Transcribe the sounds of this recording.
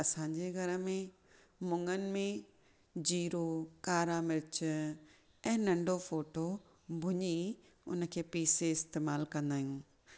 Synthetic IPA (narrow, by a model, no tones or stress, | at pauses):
ɐsãɲd͡ʑeɡʱɐɾə̆mẽ | mʊ̃ŋənɪ̆mẽ | d͡ʑiːɾokaːɾamɪɾɪt͡ɕ | ɛ̃ːnɐ̃ɳɖʱofoːʈo | bʱʊɲi | ʊ̰nəkʰeːpiːseɪst̪eːmaːlkɐ̃nd̪aːɦijũː